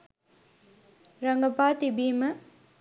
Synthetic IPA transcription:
ɾɐŋɡɐpat̪ibimɐ

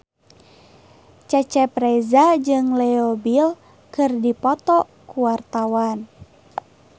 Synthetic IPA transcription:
t͡ʃɛt͡ʃɛpɾɛzad͡ʒɨŋlɛɔbil | kɨrdipɔt̪ɔ | kuwart̪awan

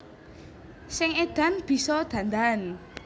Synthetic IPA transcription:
sɪŋed̪̥a̤nb̥i̤sɔd̪̥ä̤nd̪an

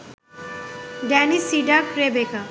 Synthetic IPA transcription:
ɖanisiɖakɾebeka

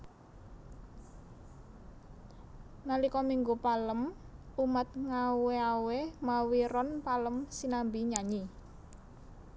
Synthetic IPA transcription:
nalikɔmiŋɡupaləm | umət̪̚ŋaweawemawiɾɔnpaləmsinambiɲaɲi

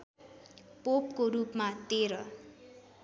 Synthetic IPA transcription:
pop̚koɾupmat̪eɾʌ

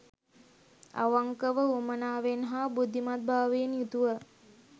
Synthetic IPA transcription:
a̰ʋaŋkəʋəumənaːʋenɦabud̪ʱːimat̪̚bʱaːʋeːnjut̪uʋə

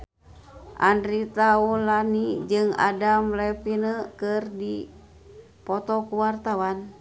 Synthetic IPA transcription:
ʔa̰ndɾit̪aulanid͡ʒɨŋa̰damlɛpinəkɨrdi | pɔt̪ɔkuwart̪awan

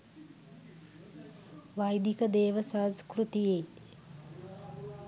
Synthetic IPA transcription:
ʋajd̪ikəd̪eːʋəsaːskɾut̪ijeː

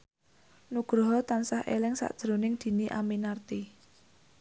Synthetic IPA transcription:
nuɡ̥ɾɔɦɔt̪ansahʔḛlɪŋsa̰ʔd̥ʒ̥ɾonɪŋd̪̥i̤niʔa̰minart̪i

